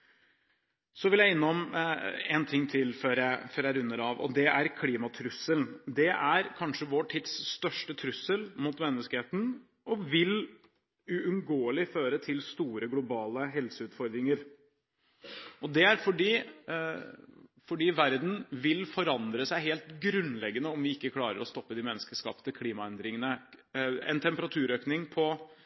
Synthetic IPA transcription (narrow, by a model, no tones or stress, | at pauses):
sɔʋɪljæɪɪnːəɔmɛnt̪ʰɪŋːt̪ʰɪlføɾæfœɾjæɾʉnːəɾɑʋɔ̰d̪ɛʔæɾkʰliːmɑt̪ʰɾʉsːəlnd̪ɛʔæɾkʰɑnʂəʋɔʈʰɪd̪sːt̪œʂʈət̪ʰɾʉsəlmuːt̪mɛnːəskəheːt̪n | ɔʋɪl | ʉʉnɡoːəlɪføːɾət̪ʰɪlst̪uːɾəɡlʊbɑːləɦɛlsəʉːt̪fɔɾd̪ɾɪŋəɾ | ʔɔd̪ɛæɾfɔɖiː | fɔɖiːʋæɾd̪n̩ʋɪlfɔɾɑnd̪ɾəsæɪɦeːlt̪ɡɾʉnlɛɡːənəɔmʋɪɪkːəkʰlɑːɾə̰ɾɔst̪ɔpːəd̪imɛnːəskəʂkɑ̰ːpə̥t̪ʰɪkʰliːmɑɛnd̪ɾɪŋənə | ɛ̰nt̪ʰɛmpəɾɑt̪ʰʉːɾøːknɪŋpʰɔ